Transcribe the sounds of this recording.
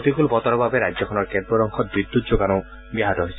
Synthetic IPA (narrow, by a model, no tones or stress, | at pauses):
t̪ikulpɔt̪ɔɾɔbʱabeɾad͡ʒjɔkʰɔnɔɾked̪bɔɾɔŋkʰɔt̪̚bɾid̪ːut̪̚d͡ʒoɡanɔ | biɦat̪ɔɦojsʰ